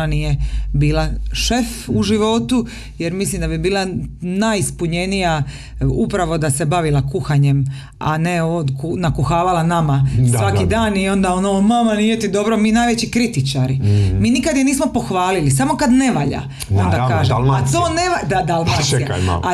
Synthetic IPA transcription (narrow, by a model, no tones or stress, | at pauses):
anijebiːlaʃe̞fuʒiʋo̞t̪u | jeɾmislimd̪abibiːlˠanajspuɲe̞nija | upɾaʋo̞d̪asebaʋilakuxaɲe̞m | a̰neod̪kunakuxaːʋalanamasʋakid̪aːnio̞nd̪aonomamanijet̪id̪o̞bɾomiːnaːjʋet͡ɕikɾit̪it͡ʃaɾimiːnikad̪jeniːsmo̞po̞xʋaːlilisamo̞kad̪ne̞ʋaʎa̰ | ond̪akaːʒeat̪oːneʋad̪ad̪almaaa̰a